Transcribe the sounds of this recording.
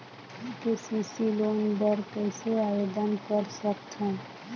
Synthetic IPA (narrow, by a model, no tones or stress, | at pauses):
kesisilonbəɾkəɪseabed̪ənkəɾsəkt̪ʰũ